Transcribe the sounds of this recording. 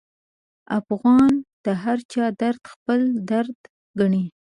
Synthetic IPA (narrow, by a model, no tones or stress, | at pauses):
afɣɑnd̪̥əɦaɾt͡ʃɑd̪aɾd̪xpəld̪aɾd̪ | ɡaɳi